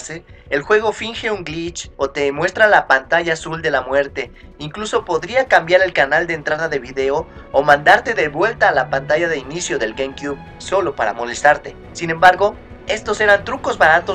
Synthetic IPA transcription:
seelxwe̞ɣ̞o̞fiŋxe̞uŋɡlit͡ʃo̞t̪e̞mwe̞st̪ɾalapant̪aʝaːsuld̪e̞lamwe̞ɾt̪e̞ | iŋkluso̞po̞ðɾiakambjaɾe̞lkanald̪ent̪ɾað̞aðe̞βiðe̞o | omãnd̪aɾt̪e̞ðe̞βwe̞lt̪aːlapant̪aʝaðe̞inisjo̞ðe̞lɡejmkjuβ | so̞lo̞paɾa̰mo̞le̞st̪aɾt̪e̞ | sine̞mbaɾɣo̞ | e̞st̪o̞se̞ɾant̪ɾuko̞zβaɾat̪o

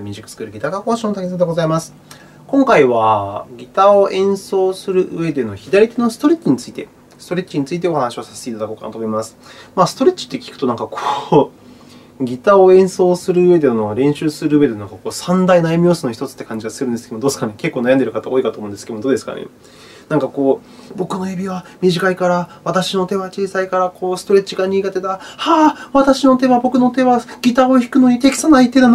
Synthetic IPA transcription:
mʲiʑikːɯ̟̥t͡sɨ̥kɯ̟ɾɯ̟ɡʲit̪akako̞ːɕõnot̪akʲisad̪eɡo̞zaimasɨ̥ | kõ̞ŋkaiβaɡʲit̪ao̞ẽ̞ɰ̃so̞ːsɨɾɯ̟ʔɯ̰e̞d̪e̞no̞çid̪aɾʲit̪e̞no̞sɨ̥t̪o̞ɾʲet͡ɕːiɲ̟it͡sɨit̪e̞ | sɨ̥t̪o̞ɾʲet͡ɕːiɲ̟it͡sɨit̪̬e̞o̞hanaɕio̞sḁse̥t̪e̞it̪ad̪akoːka̰na̰t̪omoimasɨ̥maːsɨ̥t̪oɾet͡ɕi̥t̪ːe̞kʲi̥kɯ̟̥o̞nãŋkakʰo̥ː | ɡʲit̪aoẽ̞ɰ̃so̞ːsɨɾɯ̟ɯβe̞d̪e̞noɾẽ̞ɰ̃ɕɨːsɨɾɯ̟ɯːβe̞d̪naŋkakoːsãnd̪ainaimʲio̞ːsɨno̞çi̥t̪o̞t͡sɨ̥t̪ːekãɲ̟d͡ʑiɡasɨɾɯ̟nd̪esɨkeemod̪oːsɨ̥kane̞ke̞kːoːnajãnd̪eɾɯ̟kat̪ao̞ːikat̪oːmõ̟nd̪esked̪oːd̪eska̰nḛ | nãŋkako̞ː | bo̞kɯ̟no̞ebʲiβamʲiʑikaikaɾaβat̪aɕino̞t̪e̞βat͡ɕiːsaikaɾakʰo̞ːsɨ̥t̪o̞ɾe̞t͡ɕiɡaɲ̟iːɡat̪e̞t̪ahaːβat̪aɕino̞t̪e̞βabo̞kɯ̟no̞t̪e̞βaɡʲit̪aoçi̥kɯ̟no̞ɲ̟it̪e̞kʲi̥sanait̪ːe̞nan

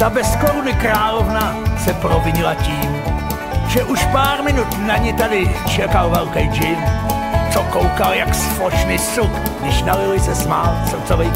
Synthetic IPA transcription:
t̪abɛskoɾunɪkɾaːlovnasɛpɾovɪɲɪlaciːm | ʒɛʔuʃpaːɾmɪnut̪naɲɪt̪adɪt͡ʃɛkalvɛlkɛjd͡ʒɪn | t͡sokowkaljaksfoʃnɪsukɡdɪʃnalɪlɪsɛsmaːlst͡sovɛj

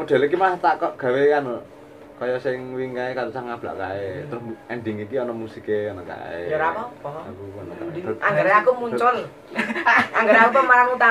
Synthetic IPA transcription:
mud̪̥a̤likimat̪aʔkɔʔɡ̥a̤weano | kɔjɔsɪŋwiŋkaekaɾosaŋab̥la̰ʔkaet̪ʊhɛnɖiŋikiɔnɔmusikeɔnɔka̰ḛɾaakuɔnɔka̰aŋɡaɾeakumuɲt͡ʃɔl | aŋɡaɾakupɔmaɾaŋut̪a

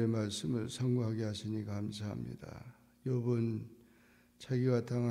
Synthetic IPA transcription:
emaɭsɯmɯɭsʰaŋɡuɦaɡehasʰiɲikahamsʰaamɲḭda̰ | jobɯn | t͡ɕʰaɡiwatʰaŋa

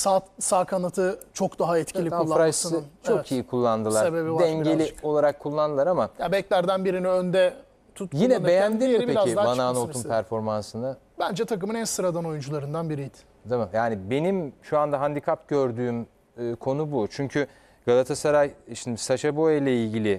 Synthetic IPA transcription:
sat̪saːkʰanat̪ʰɯt͡ʃʰo̞kd̪aɦaɛt̪cʰilʲikulˠːaɾajst͡ʃʰokʰijikʰulˠːand̪ɯlˠaɾsebebidɛɛɲɟelʲio̞lˠaɾakʰːulˠːand̪ɯlˠaɾamajabɛclʲæɾd̪ænbiɾiniønd̪ɛ | t̪ʰut̪̚jinɛbejænnd̪iieiɾaziamanaːnounpʰæɾfo̞ɾmansɯna | bænd͡ʒɛt̪ʰakɯmɯnɛsɯɾad̪ano̞jund͡ʒulˠaɾɯnd̪anbiɾijd̪ | t̪ʰamamjaːnɪbe̞nimʃuand̪aɦand̪ikʰapɟø̞ɾd̪yːm | ɯːkʰo̞nubut͡ʃʰyɲcʰy | ɡ̥alˠat̪ʰasaɾajʃind̪isaʃabojlʲɛilʲɟilʲɪ

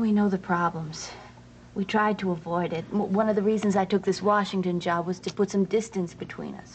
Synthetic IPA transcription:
winoʊðɨpʰɹ̥ɑblə̃mz̥ | witʰɹ̥aɪd̚tʰəəvɔɪɾɪt̚wʌ̃nʌvðɨɹizɨ̃n̩zaɪtʊk̚ðɪswɑʃɪ̃ŋtɨ̃nd͡ʒɑbwʌz̥tʰɨpʊtsʌ̃mdɪstɨ̃nsb̥ɨtʰw̥ḭ̃nʌ̰s

